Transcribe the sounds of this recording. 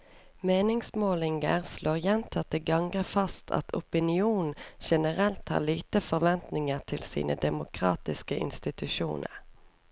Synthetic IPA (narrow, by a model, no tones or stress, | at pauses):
meːnɪŋsmoːlɪŋɡə̰ʁsloːʁjɛnt̪ʰɑt̪əɡɑŋɡəfɑst̪ʰɑ̰t̪ʰʊpɪnɪuːnn̩ʃɛnəʁɛlt̪hɑ̰ːʁliːt̪əfɔʁʋɛnt̪nɪŋəʁt̪ʰɪlsḭːnə̰d̪ɛmʊkʰʁɑːt̪ɪskəʔɪ̰nst̪ɪt̪ʉʃṵːnʔə̰ʁ